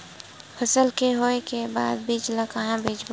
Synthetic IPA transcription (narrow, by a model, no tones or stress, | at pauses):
pʰəsəlkeɦoːekebaːd̪̚bʱid͡ʒlakəɦãbʱeːd͡ʒb